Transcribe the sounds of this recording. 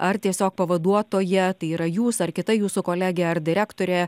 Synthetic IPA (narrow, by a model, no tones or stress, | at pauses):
ʔɐɾt̪ʲiɛsʲoːk̚pɐʋɐd̪uɔt̪oːjɛt̪ɐɪiːɾɐjuːsɐɾkʲɪt̪ɐjuːsʊkoːlʲæːɡʲeɐɾd̪ʲɪɾʲæːkt̪oːɾʲeː